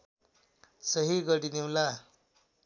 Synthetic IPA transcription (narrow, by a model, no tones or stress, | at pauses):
səɦiɡəɽiniwla